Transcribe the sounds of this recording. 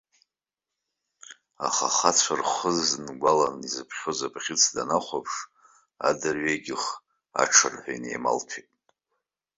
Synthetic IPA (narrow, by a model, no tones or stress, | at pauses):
aχa̰χat͡sʷʰarχəznɡʷalanizɨpʰχʲozapʰʼχʲɪt͡sʰdanaχʷapʰʂ | a̰dɨrɥejɡʲɪχ | a̰ʈ͡ʂʰɨrħʷᶣajnḛjma̰lpʰitʼ